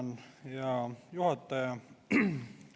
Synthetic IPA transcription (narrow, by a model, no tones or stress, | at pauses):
njɑjuhɑt̪ːˑɑjɑ